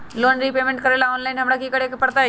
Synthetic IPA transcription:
loːnɾipeːmẽɳʈ̚kəɾeːlaoːnlaɪnɦɐmɽakʰiːkəɽekpəɽt̪a

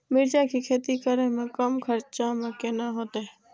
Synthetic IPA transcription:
mɪɾd͡ʒakikʰeːt̪ikəɾẽmẽkəmkʰəɾt͡ʃamẽkenaɦoːt̪eɦɛ

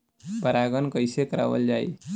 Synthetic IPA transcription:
bəɾaɡənkəjsekəɾa̰ʋə̰ld͡ʒaj̰

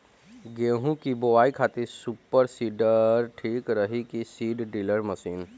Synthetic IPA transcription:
ɡeːɦũkiboʋaːikʰaːt̪isupəɾsiːɖəɾʈʰiːkɾəɦikisiːɖɖiləɾməsiːn

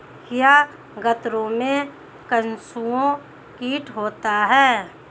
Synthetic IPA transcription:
kja | ɡət̪ɾõmẽ | kənsuõ | kiːʈɦoːt̪aɦɛː

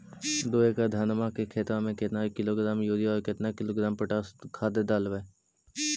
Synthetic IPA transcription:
d̪oːeːkad̪ʱaːnəmaːkekʰeːt̪ãːmẽket̪nakɪloːɡɾaːmjoːd̪ijɔːɾket̪nakɪloːɡɾaːmpəʈaːskʰaːd̪ed̪aːlʋeː

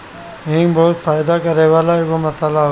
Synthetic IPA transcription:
ɦɪ̃ŋbɔʊt̪faːjd̪akɐɾeʋaːlaɪɡomɐsalaɦ

